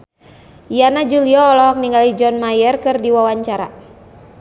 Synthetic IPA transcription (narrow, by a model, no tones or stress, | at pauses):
janad͡ʒuliɔːlɔɦɔk̚niŋɡalid͡ʒɔnmajɛrkɨrdiwawaɲt͡ʃaɾa̰